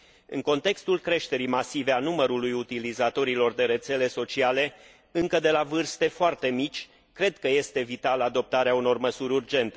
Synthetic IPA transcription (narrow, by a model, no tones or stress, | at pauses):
ɨ̰ŋko̞nt̪e̞kst̪ulkɾe̞ʃt̪e̞ɾijmasive̞anuməɾulujut̪ilizat̪o̞ɾilo̞rd̪e̞ɾe̞t̪se̞le̞so̞t͡ʃiale̞ | ɨŋkəd̪e̞lavɨrst̪e̞foart̪e̞mit͡ʃʲ | kɾe̞d̪kəje̞st̪e̞vit̪alad̪o̞p̚t̪aɾeauno̞rməsuɾʲurd͡ʒe̞nt̪e̞